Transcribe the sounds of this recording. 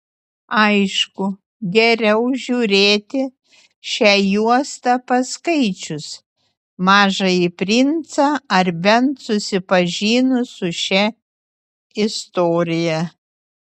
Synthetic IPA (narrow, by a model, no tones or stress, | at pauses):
ɐɪʃkʊ | ɡʲɛɾʲɛʊʒʲuːɾʲeːt̪ʲɪ | ʃʲæːjuɔst̪ɐpɐskɐɪt͡ʃʲʊs | mɑːʒɐɪpʲɾʲɪnt̪sɐɐɾbʲɛnt̪sʊsʲɪpɐʒʲiːnʊsʊʃʲɛ | ɪst̪oːɾʲɪjɛ